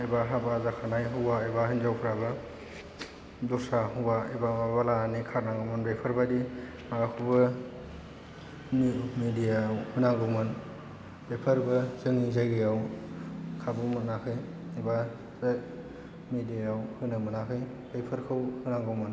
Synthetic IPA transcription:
ebaɦabazakʰanajɦɯwaebahinzawpʰɾabɯ | dɔsaɦuwaebamabalaːnikʰaɾnaŋɡɯmɯnbepʰɯɾbadi | makʰubɯ | mmedijawhunaŋɡɯwmɯn | b̥epʰəɾbɯzɯŋizajɡɯjaw | kʰabumɯnakʰɯj | eba | z | mediaawhɯnɯmɯnakʰɯj | bejpʰɯɾkʰɯwhɯnaŋɡɯwmɯn

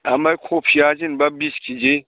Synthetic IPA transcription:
amajkʰopʰiad͡ʒinbabiskʰʲid͡ʒe

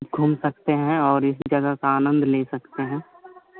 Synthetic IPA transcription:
bɡʱuːmsɐkt̪eɦɛ̃ɔːɾɪsd͡ʒɐɡakaaːnə̃nd̪ʱleːsɐkt̪eɦɛ̃ː

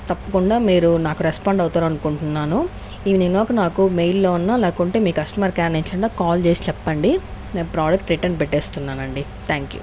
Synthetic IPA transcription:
t̪ɐpːɐkuɳɖaːmiːɾunaːkuɾɛspaːɳɖɐwt̪aːɾɐnukuɳʈunːaːnu | iʋininoːkɐnaːkumejlːo̞ːunːaːlaːkuɳʈeːmiːkkɐsʈɐmɐːɾkaːneɲt͡ʃɐɳɖaːkaːlt͡ʃeːsi̥t͡ʃɛpːɐɳɖi | pɾaːd͡ʒɐk̚ʈɾeʈːɐnːpɛʈːeːst̪unːaːnɐɳɖi | t̪ʰaːŋkjṵ

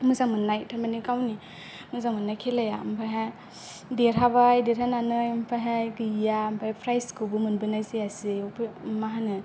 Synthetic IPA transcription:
muzaŋmɯnːajtʰaɾmanikawni | muzaŋmɯnːajkʰelajampʰaɦa | deɾɦabajdeɾhananɯjmpʰaɦajɡɯjampʰaapʰɾajskɯbɯmɯnbɯnajzeasipʰmaɦanɯ

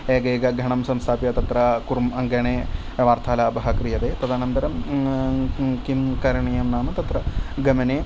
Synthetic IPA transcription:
eːɡeːɡɐɡʱɐɳɐmsɐmst̪ʰaːpjɐt̪ɐt̪ɾɐkuɾmɐŋɡɐɳeː | ʋaːɾt̪ʰaːlaːbɐɦɐkɾijɐd̪eːpɾɐd̪ʱaːnɐnd̪ɐɾɐm | kimkɐɾɐɳɐjɐmnaːmɐt̪ɐt̪rɐɡɐmɐneː

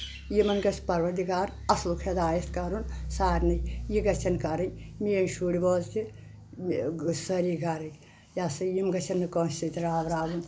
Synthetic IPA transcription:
jimɐnɡɐsʲpɐɾʋɐɾd̪ikaːɾɐslukʰed̪aːjɐt̪kɐɾunsaːɾʲnɐjiɡɐt͡ʃʰɐnkɐɾɐjmiɐnʃuɽiboːzk̪i | sɐɾiɡɐɾɐj | jasɐjimɡɐt͡ʃʰɐnːɨkoːnsit̪iɾaːʋɾaːɡun

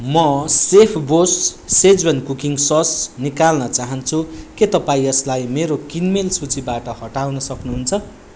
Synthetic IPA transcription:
mʌsepʰbosːed͡zbʌnkukiŋsʌsnikalnʌt͡saɦʌnt͡sʰuket̪ʌpaĩʌslajmeɾokinmelsut͡sibaʈʌhʌʈawnʌsʌknuɦunt͡sʰʌ

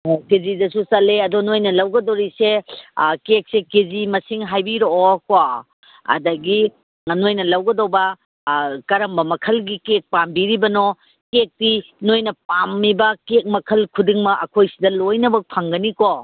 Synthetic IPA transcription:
kezidɐsusɐleɐdonojnɐlɐwɡɐdoɾisekek̚sekezimɐsiŋɦajbiɾooko | ɐ̰dɐɡi | nojnɐlɐwɡɐdowbɐ | kɐɾɐmbɐmɐkʰɐlɡikek̚pambiɾibɐno | kek̚tinojnɐpamːibɐkek̚mɐkʰɐlkʰudiŋmɐʔɐkʰojsidɐlojnɐbɐpʰaŋɡɐniko

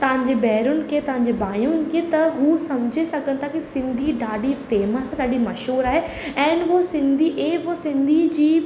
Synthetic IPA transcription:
t̪ɐʋ̤ãɲd͡ʑebɛːɾʊnɪ̆kʰet̪ɐʋ̤ãɲ̆d͡ʑebaːjʊnɪ̆kʰet̪ɐɦusɐmd͡ʑʱesɐɡʱənɪ̆t̪ʰakisɪ̃nd̪ʱiɖaːɖifeːməsɖaːɖimɐʃɦuːɾaːɦe | ɛ̃ːnʋosɪ̃nd̪ʱiʔeːʋosɪ̃nd̪ʱid͡ʑiː

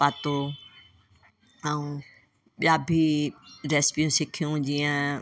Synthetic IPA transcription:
paːt̪o | ɛũː | ɓɪjaːbʱiɾɛːspijũsɪkʰijũd͡ʑiːə̃

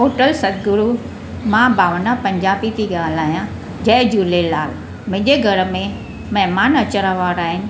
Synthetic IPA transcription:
ɦoːʈəlsɐd̪ɡʊɾu | mãːbaːʋəɳapɐ̃ɲd͡ʑaːbit̪ʰiɡaːlaːjã | d͡ʑɐɦɪd͡ʑuːlelaːl | mɪ̃ɦɪ̃ɲd͡ʑeɡʱɐɾəmẽ | mɐɦɪmaːnɐt͡ɕəɾaʋaːɾaːɦɪnɪ̆

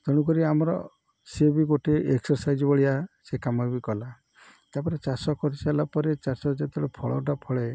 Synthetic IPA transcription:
t̪ɔɽ̃ukɔɾiamɔɾɔ̰ | sebiɡoʈeʔeksɔɾsajd͡ʒɔbɔɭiasekamɔbikɔla | t̪apɔɾet͡ʃasɔkɔɾialapɔɾet͡ʃasɔd͡ʒet̪ɔɽepʰɔɭɔʈapʰɔɭe

